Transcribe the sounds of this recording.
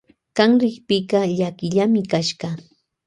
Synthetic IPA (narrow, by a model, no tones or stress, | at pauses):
kɑŋɾɪkpɪkɑʎakɪʎamɪkaʃɢɑ